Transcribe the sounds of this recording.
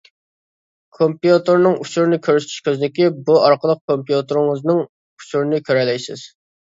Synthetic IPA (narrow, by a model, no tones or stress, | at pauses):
kʰompjut̪ɨɾnɨŋut͡ʃʰuɾnɨkʲʰøɾyst̪ʰy̥ʃkʲʰøzɪnɪkʲibuɑɾqəlˠəq̚kʰompijut̪ɨɾɪŋəznɨŋ | u̥t͡ʃʰuɾnɨkʲʰøɾɛlɛjsɪz̥